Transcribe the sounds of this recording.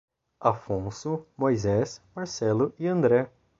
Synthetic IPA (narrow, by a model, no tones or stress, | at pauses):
afõsʊmojzɛsmaɾsɛlʊʔɪɐ̃nd̪ɾɛ